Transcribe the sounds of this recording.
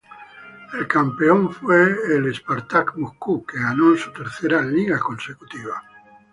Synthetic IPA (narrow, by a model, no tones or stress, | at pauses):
elkampe̞oɱfweːlespaɾt̪akmoskukeɣanoensut̪e̞ɾθe̞ɾaliɣako̞nseku̥t̪iβ̞a